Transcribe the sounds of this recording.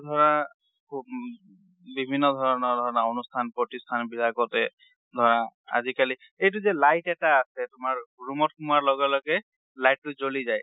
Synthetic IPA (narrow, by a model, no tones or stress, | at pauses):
d̪ʱɔɹna | kʰub | bibʱinːɔd̪ʱɔɹɔnɔd̪ʱɔɹɔnaonustʰanpɹɔtistʰanbilakɔtɛ | d̪ʱɔɹaa̰zikali | ejtʊzɛlajtɛtaːsɛtʊmaɹɹumɔtxumuaɹlɔɡɛlɔɡɛ | lajtːʊzolizaj